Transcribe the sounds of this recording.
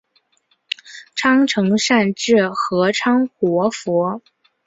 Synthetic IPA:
ʈ͡ʂʰɑ˥ŋʈ͡ʂʰɤ˧˥ŋʂa˥˧nʈ͡ʂɻ̩˥˩xɤ˧˥ʈ͡ʂʰɑ˥ŋxwɔ˧˥fɔ˧˥

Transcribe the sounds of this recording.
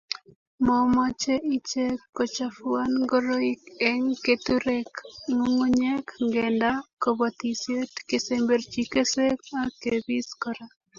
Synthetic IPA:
mɔmɔt͡ʃe˦ʔi˦t͡ʃe˦kːo˨t͡ʃafʊa˦nɡoɾo˦ikeŋket̪uɾekŋoŋo˦ɲekŋɡenda˦ko˨bɔ˨t̪i˨sje˦tke˨sembe˨ɾt͡ʃike˦se˦ka˦ke˨bi˦skɔɾa

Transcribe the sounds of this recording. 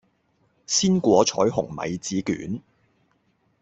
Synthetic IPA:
siː˥nkʷɔː˨˥t͡ʃʰɔ̰ː˨˥jɦʊ˨˩ŋmɐ̰˨˧jt͡siː˨˥ky̰ː˨˥n

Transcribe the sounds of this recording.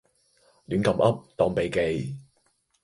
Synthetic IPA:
lyː˨˥nkɐ˨˩mʔɐ˥p̚t̪ɔː˨˩ŋpe˨jke˨j

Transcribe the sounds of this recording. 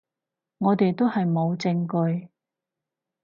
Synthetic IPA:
ŋɔː˨˧t̪e˨jt̪o˥whɐ˨jmo˨˧wt͡sɪ˧ŋkɵ˧ɥ

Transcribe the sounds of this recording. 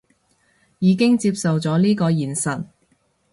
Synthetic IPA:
jiː˨˧kɪ˥ŋt͡siː˧p̚sɐ˨wt͡sɔː˨˥liː˥kɔː˧jiː˨˩nsɐ˨t̚

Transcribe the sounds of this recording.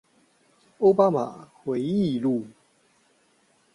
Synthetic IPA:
o˥˧ʊpa˦˥ma̰˨˩xwe˨˦ɪi˥˧lu˥˩

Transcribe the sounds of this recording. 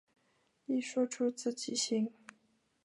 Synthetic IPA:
i˥˩ʂwɔ˥ʈ͡ʂʰu˥t͡sɹ̩˥˩t͡ɕi˨˩ɕi˥ŋ

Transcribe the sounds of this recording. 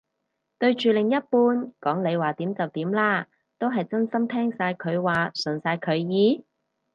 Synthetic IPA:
t̪ɵ˧ɥt͡ʃyː˨lɪ˨˩ŋjɐ˥t̚puː˥nkɔː˨˥ŋle˨˧jwaː˨˩t̪iː˨˥mt͡sɐ˨wt̪iː˨˥mlaː˥ | t̪o˥wɦɐ˨jt͡sɐ˥nsɐ˥mt̪ʰɛː˥ŋsaː˧jkʰɵ˨˧ɥwaː˨sɵ˨˩nsaː˧jkʰɵ˨˧ɥjiː˨˧

